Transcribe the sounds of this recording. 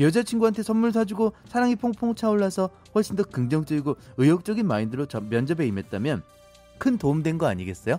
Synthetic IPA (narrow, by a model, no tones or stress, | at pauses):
jʌd͡ʑat͡ɕʰiŋɡuɦantʰe̞sʰʌnːuɭsʰad͡ʑuɡosʰaɾaŋipʰoŋpʰoŋt͡ɕʰaoɭːasʰʌ | ɸʌɭɕ͈indʌkɯŋd͡ʑʌŋt͡ɕ͈ʌɡiɡoɯjʌk̚t͡ɕ͈ʌɡinmaindɯɭot͡ɕʌmjʌnd͡ʑʌbe̞ime̞t̚t͈amjʌn | kʰɯntoumdwe̞nɡʌaɲiɡe̞s͈ʌjo